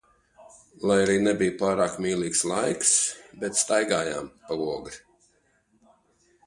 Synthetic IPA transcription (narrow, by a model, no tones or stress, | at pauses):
lˠajaɾiːnɛbijpaːɾaːkmiːlˠiːkslˠajksbɛt̪st̪ajɡaːja̰ːmpauɔɡɾi